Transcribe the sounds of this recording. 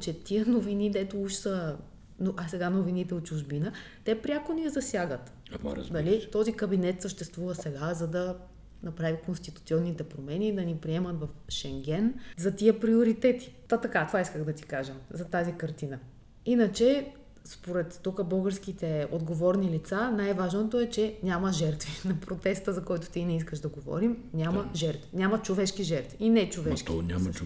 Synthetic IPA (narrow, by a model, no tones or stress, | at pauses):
t͡ʃɛt̪iənovinid̪ɛt̪ouʃsə | noʔasɛɡanovinit̪ɛot̪̚t͡ʃuʒbinə | t̪ɛpɾʲakonizɐsʲjaɡət̪ | d̪ɐlit̪ɔzikəbinɛt̪səʃt̪ɛst̪vuvəsɛɡazɐd̪ɐ | nɐpɾavikonst̪it̪ut̪siɔnːit̪ɛpɾomɛniːd̪ɐnipɾiɛmɐt̪vɐfʃɛŋɡ̟ʲɛnzɐt̪iəpɾioɾit̪ɛt̪i̥ɐt̪ɐkat̪ovaiskəɣd̪ɐt̪i̥kaʒəzɐt̪azikɐɾt̪inə | inət͡ʃɛ | spoɾɛt̪ːukəbəlˠɡəɾsk̟it̪ɛod̪ɡovɔɾnilit̪sanajvaʒnot̪oɛt͡ʃɛnʲaməʒɛɾt̪vinɐpɾot̪ɛst̪əzɐkɔjt̪o̥t̪inɛiskəʒd̪ɐɡovɔ̰ɾimnʲaməʒɛɾt̪vinʲamɐt͡ʃovɛʃk̟iʒɛɾt̪viinɛt͡ʃovɛʃk̪inʲa̰m